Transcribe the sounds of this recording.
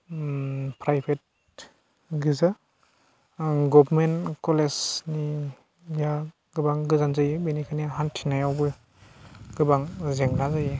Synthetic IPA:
pʰɾajbʰet̚ | ɡiza | ɡɔbmenkɔlesni | ja | ɡ̥ɯbaŋɡɯzanzajbenikʰaniaɦantʰinajawbɯ | ɡɯbaŋzeŋnazaj

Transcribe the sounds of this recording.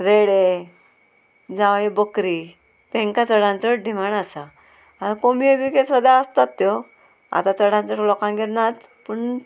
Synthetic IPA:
ɾeɽe | d͡zaʋajebəkɾi | t̪ẽŋkat͡səɽãnt͡səʈɖʱimaɳasa | at̪akomiebikesəd̪aəst̪at̪ːjɔ | a̰t̪at͡səɽ̤ãnt͡səʈlɔkãnɡeɾnat͡s | pəɳ

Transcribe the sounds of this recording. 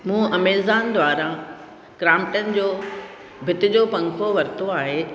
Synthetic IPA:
mũːɐmeːzaːnd̪ʋaːɾa | kɾaːmɪʈənɪ̆d͡ʑoː | bʱɪt̪ɪd͡ʑoːpɐ̃ŋkʰoʋɐɾt̪oaːɦe

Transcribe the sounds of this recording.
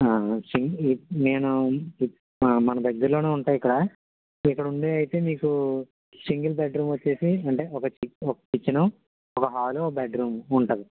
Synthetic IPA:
aːsiŋɡineːnu | mɐnɐd̪ɐɡːɐɾloːneːuɳʈaːjikːɐɽɐ | ikːɐɽɐuɳɖeːɐjt̪e̞ːmiːku | siŋɡɐlbɛːʈɾuːmʋɐt͡ʃːe̞ːsiɐɳʈeːɔkɐt͡ʃɔkɐt͡ʃit͡ʃːinɐm | ɔkɐɦaːlobɛːʈɾuːmuɳʈɐd̪i

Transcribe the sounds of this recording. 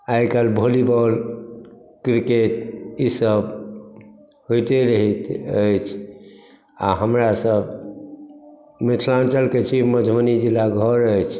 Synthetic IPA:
ajkalbʱolibɔl | kɾiket̪isəb | ɦojt̪eɾəɦit̪əjt͡ʃʰ | a̰ɦəmɾasəb | mit̪ʰlãnt͡ʃəlket͡ʃʰiməd̪ʱmənid͡ʒilaɡʱəɾəjt͡ʃʰ

